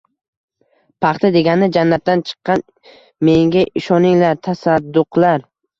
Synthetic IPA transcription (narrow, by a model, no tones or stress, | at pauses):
pʰɑχt̪ʰad̪e̞ɡʲanɪd͡ʒanːat̪̚d̪ant͡ʃʰɨ̥qːɑn | me̞ŋɡʲaʔɪʃɒnɪŋlaɾt̪ʰasad̪ːʊqʰlaɾ